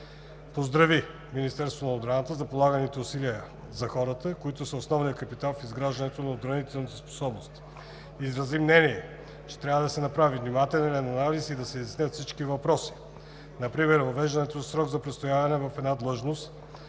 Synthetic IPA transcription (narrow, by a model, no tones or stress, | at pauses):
pozd̪ɾɐvi | minist̪ɛɾst̪vonɐobɾanət̪əzɐpolˠaɡənit̪ɛʊsiliə | zɐxɔɾət̪əkoit̪ʊsəosnɔvnijəkɐpit̪alˠfizɡɾaʒd̪ɐnɛt̪onɐod̪ɡɾɐnit̪ɛlˠnit̪əspo̥sɔbnost̪ | izɾɐzimnɛniɛ | t͡ʃɛ̥t̪ɾʲavəd̪ɐsɛnɐpɾavivnimat̪ɛlnilɛnɐnalisid̪ɐsɛizɛsnʲət̪fsit͡ʃkivɐpɾɔsi̥ | nɐpɾimɛɾvɐvɛʒd̪ɐnɛt̪ozɐsɾɔɡzɐpɾɛt̪st̪ojavɐnɛvɐfɛd̪nad̪lˠɤʒnost̪